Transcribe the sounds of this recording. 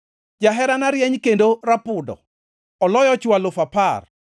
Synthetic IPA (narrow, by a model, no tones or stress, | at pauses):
d͡ʒaɦɛɾanaɾjɛɲkendoɾapʊdɔ̰ | ɔlɔjɔt͡ʃwalʊfapar